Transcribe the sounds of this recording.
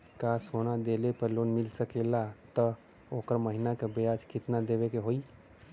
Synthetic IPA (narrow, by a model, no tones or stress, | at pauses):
kasonad̪elepəɾlonmilsəkelat̪ə | okəɾməɦinakebejad͡ʒkʰit̪nad̪ebekeɦoi